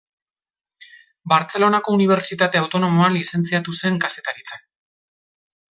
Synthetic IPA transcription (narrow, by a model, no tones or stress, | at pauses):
baɾt͡se̞lo̞nako̞uniβ̞e̞ɾt͡ʃit̪at̪e̞awt̪o̞no̞moanlise̞nt͡siat̪use̞ŋkase̞t̪aɾit͡sak